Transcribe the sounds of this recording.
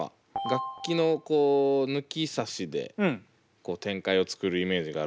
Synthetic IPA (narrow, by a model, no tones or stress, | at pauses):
a̰ | ɡakʲːino̞ko̞ːnɯ̟kʲisaɕid̪e̞̰ | ko̞ːt̪ẽ̞ŋkaio̞t͡sɨ̥kɯ̟ɾɯ̟ime̞ːʑiɡaː